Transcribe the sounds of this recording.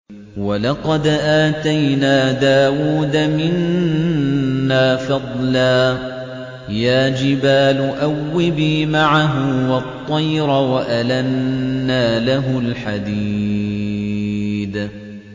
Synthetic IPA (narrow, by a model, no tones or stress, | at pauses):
walɑqɑd̪ʔaːt̪ajnaːd̪aːwuːd̪amɪn | aːfɑd̪ˤlaː | jaːd͡ʒɪbaːlʊʔawːɪbiːmaʕaɦʊwɑt̪ˤːɑjɾawaʔalanːaːlaɦʊlħad̪iː | d̪